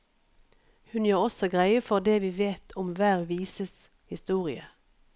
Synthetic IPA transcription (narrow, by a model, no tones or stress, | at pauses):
hʉnjøːʁɔsɔɡʁæɪəfɔʁd̪eːʋiːʋeːt̪ʰʊmʋæːʁʋiːsəs | hɪst̪uːʁɪə